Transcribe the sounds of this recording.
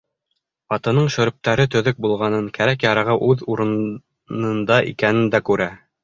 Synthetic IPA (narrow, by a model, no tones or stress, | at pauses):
ɑt̪ɤ̆nɤɴʃɵ̆ɾɵ̆p̚t̪æɾɘt̪ɵ̆ðɵk̚bulˠʁɑnɤŋkæɾækjɑɾɑʁɤʔʉðuɾɤ̆n | nɤ̆nd̪ɑʔḭkænɘnd̪ækʉɾæ